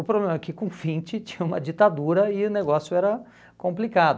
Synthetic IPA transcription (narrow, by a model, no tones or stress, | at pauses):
ʊpɾoblẽmɐɛkɪkõfĩnt͡ʃɪt͡ʃĩ̥ɲɐũmɐd͡ʒit̪ad̪uɾɐɪʊneɡɔsjʊɛɾɐ | kõmplikad̪ʊ